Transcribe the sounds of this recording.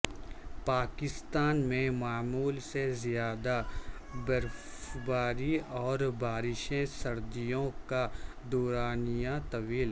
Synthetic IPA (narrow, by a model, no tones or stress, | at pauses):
paːkɪst̪aːnmẽmaːmuːlsezɪjaːd̪abɐɾf | baːɾiɔːɾbaːɾɪʃẽsɐɾd̪ijõka | d̪ɔːɾaːnijãt̪ɐʋiːl